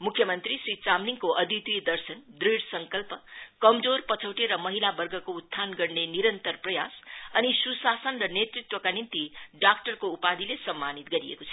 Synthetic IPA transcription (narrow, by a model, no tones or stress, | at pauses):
mukʰjʌmʌnt̪ɾisɾit͡samniŋkoʔʌd̪it̪wujd̪ʌrsʌnd̪ɾiɽsʌŋkʌlpʌkʌmd͡zorpʌt͡sʰʌwʈeɾʌmʌɦilabʌrɡʱʌkout̪ʰːanɡʌrneniɾʌnt̪ʌrprʌjasʌnisusasʌnrʌnet̪rit̪wʌkanint̪iɖakʈʌrkoupad̪ʱilesʌmːanit̪̚ɡʌɾiḛkot͡sʰʌ̥